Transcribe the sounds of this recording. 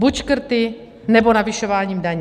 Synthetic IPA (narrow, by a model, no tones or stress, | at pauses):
bucʃkr̩t̪i | nɛbɔnaviʃɔʋaːɲiːmd̪aɲ